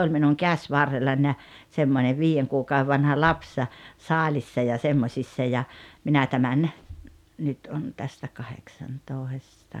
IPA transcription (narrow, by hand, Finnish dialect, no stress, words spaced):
olʲ minuŋ kæsʲʋɑrːelːɑnʲ jɑ semːone ʋiːjeŋ kuːkɑue ʋɑnhɑ lɑps sɑːlʲisːɑ jɑ semːosʲisːɑ jɑ minæ tæmæn nyt on tæstæ kɑheksɑntoˑestɑ